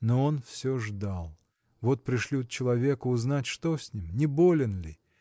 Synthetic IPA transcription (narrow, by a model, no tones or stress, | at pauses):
noonfsʲoʐd̪alˠ | vo̞t̪̚pɾʲɪʂlʲit̪t͡ɕɪlˠɐvʲe̞kʊʊznatʲʂt̪osʲnʲimnʲɪbo̞lʲɪnlʲɪ